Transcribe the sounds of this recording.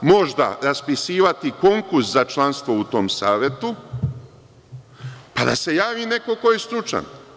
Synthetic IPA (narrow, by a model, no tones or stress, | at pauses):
mo̞ʒd̪a̰ɾaspisiːʋat̪iko̞ŋkuɾszat͡ʃlˠanst̪ʋo̞ut̪o̞msaːʋje̞t̪u | pad̪a̰se̞jaːʋiːne̞ko̞ko̞jest̪ɾut͡ʃa̰n